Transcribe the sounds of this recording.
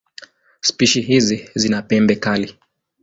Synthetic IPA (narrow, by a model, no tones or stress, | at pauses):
spiʃiɦizizinapɛmbɛkali